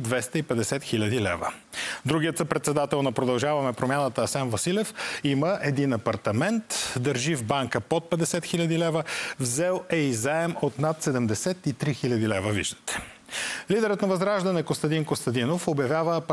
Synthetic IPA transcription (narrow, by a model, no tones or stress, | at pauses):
d̪vɛst̪əipɛd̪ɛsɛt̪xilʲɐd̪ilɛ̰və̰ | d̪ɾuɡiət̪səpɾɛt̪sɛd̪at̪ɛlˠnɐpɾod̪ɐlˠʒavɐmɛpɾomʲjanət̪əːsɛnvɐsilɛfiməʔɛd̪inɐpɐɾt̪ɐmɛnt̪d̪əɾʒivbaŋkəpot̪̚pɛd̪ɛsɛt̪xilʲɐd̪ilɛvəvzɛlˠɛizaɛmot̪nat̪sɛd̪ɛmd̪ɛsɛt̪it̪ɾixilʲɐd̪ilɛvəvḭʒd̪ə̥t̪ɛ̥ | lid̪ɛɾət̪nɐvɐzɡɾaʒd̪ɐnɛkost̪ɐd̪inkost̪ɐd̪inofobjɐvʲjavəːp